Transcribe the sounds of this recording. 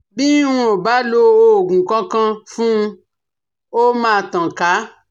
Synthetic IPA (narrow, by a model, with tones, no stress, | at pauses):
bi˦w̃ũ˦o˨ba˨˦lo˧o˧o˨ɡũ˨kã˦kã˧fũ˦˧ | o˦mãː˧˨tã˨ka˨˦